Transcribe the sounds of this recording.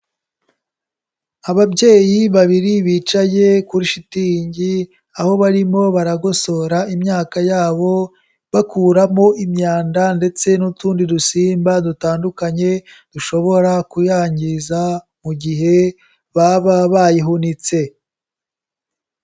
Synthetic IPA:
aβabɟe̞ːjiβaβiɾiβiːt͡ʃaje̞kuɾiʃitiɲɟi | aho̞βaɾimo̞βaɾaɡo̞so̞ɾaimɲaːkajaːβo̞ | βakuːɾamo̞ʔimɲaːndande̞t͡se̞nutuːndidusiːmbadutaːndukaɲe̞ | d̥uʃo̞βo̞ɾakujaːɲɟiza | muɟiɦe̞ | βaβaβajiɦunit͡se̞

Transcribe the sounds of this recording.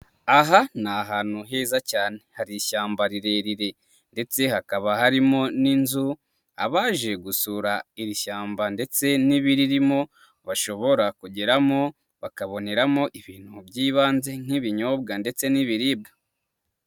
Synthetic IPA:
aɦanaɦaːnhuɦe̞ːzacaːne̞haɾiʃaːmbaɾiɾe̞ɾiɾe̞ | nde̞t͡se̞hakaβahaɾimo̞ninzu | a̰βaːʒe̞ɡusuɾaiɾiʃaːmbande̞t͡se̞niβiɾiɾimo̞ | βaʃo̞βo̞ɾakuɟeɾamo̞ | βakaβo̞ne̞ɾamo̞ʔiβiːn̥hubɟiːβaːnze̞ŋ̥iβiɲoːb̚ɡande̞t͡se̞niβiɾiːb̚ɡa

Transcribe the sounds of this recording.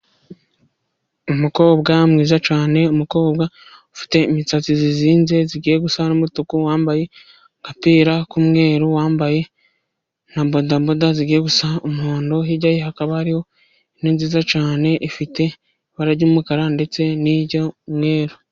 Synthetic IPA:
umuko̞ːbɡamŋiːzat͡ʃaːne̞umuko̞ːbɡa | ufi̥te̞imit͡sat͡siziziːnze̞ziɡiːjeɡusanomutukuwaːmbaje̞ | ŋkapiːɾakumŋe̞ːɾuwaːmbaje̞ | nambo̞dambodaziɡiːjeɡusaumhoːndoɦiɟajeɦakaβahaɾiho̞ | iniːnziːzat͡ʃaːne̞ʔifite̞ | βaɾaɟuumukaɾande̞t͡se̞niɟomŋe̞ːɾo

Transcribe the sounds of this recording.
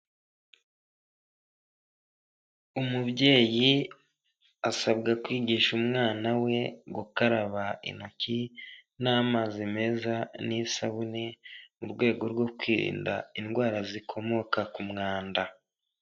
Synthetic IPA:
umubɟe̞ːji | asabɡakwiːɡiʃumŋaːnawe̞ɡukaɾaβaḭnocinaːmazime̞ːzanisaβunemuɾɡwe̞ːɡo̞ɾɡwo̞kwiːɾḭːnda̰inɡwaːɾazikʰo̞mo̞kakumŋaːnda

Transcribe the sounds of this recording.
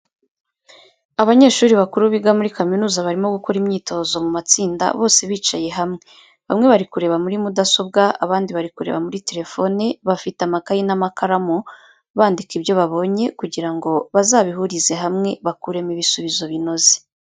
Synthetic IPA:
aβaɲe̞ːʃuːɾiβakuɾuβiɡamuɾikaminuːzaβaɾimo̞ɡuko̞ɾimɲiːto̞ːzo̞mumat͡siːnda̰βo̞ːse̞βiːt͡ʃaje̞ɦamŋe̞ | βamŋe̞βaɾikuɾe̞βamuɾimudaso̞b̚ɡaʔaβaːndiβaɾikuɾe̞̰βamuɾite̞ɾe̞fo̞neβafitamakajinamakʰaɾamo | βaːndikibjo̞βaβo̞ɲe̞kuɟiɾaŋɡo̞βazaːβiɦuɾize̞ɦamŋe̞βakuɾe̞miβisuβizo̞βino̞ze̥

